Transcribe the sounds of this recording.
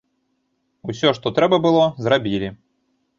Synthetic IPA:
usʲɔʂt̪ɔt̪ɾɛbɐbɨlˠɔzɾabʲilʲi

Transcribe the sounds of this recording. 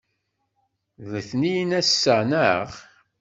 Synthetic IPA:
ðəθnijnæsːənəʁ

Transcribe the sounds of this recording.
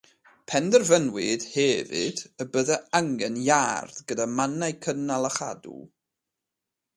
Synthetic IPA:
pʰɛndərvənwɨd̥hɛvɨ̰d̥əbəðɛaŋɡɛnjarð̥ɡədamanajkʰənalˠəχa̰dṵ

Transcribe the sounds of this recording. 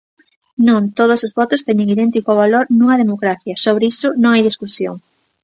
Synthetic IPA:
nõŋt̪oð̞osozβɔt̪ʊst̪ɛɲeŋiðɛnt̪ikʊβ̞aloɾnuŋɐð̞emokɾaθjɐsoβ̞ɾisʊnõŋajð̞iskusjo̰ŋ

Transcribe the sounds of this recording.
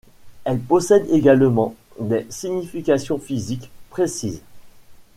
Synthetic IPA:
ɛlpɔsɛd̪eɡalmɑ̃ | d̪esiɲifikʲasjɔ̃fizikpχesiz

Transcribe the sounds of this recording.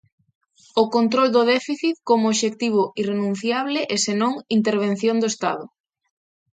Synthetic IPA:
okont̪ɾold̪ʊðɛfiθit̪komooʃekt̪iβ̞ʊirenũn̟θjaβlɪʔesenõŋint̪eɾβ̞en̟θjond̪oest̪a̰ðʊ

